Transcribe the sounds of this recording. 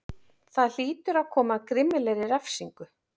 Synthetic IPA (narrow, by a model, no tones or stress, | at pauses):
θaðl̥iːt̪ʏɾaðkʰɔːmakɾɪmɪlɛɾɪɾɛfsiŋkʏ